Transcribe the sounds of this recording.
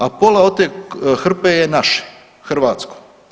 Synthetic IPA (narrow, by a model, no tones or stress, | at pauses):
apolao̞t̪eːxr̩pejenaʃe̥ | xr̩ʋaːt̪sko̥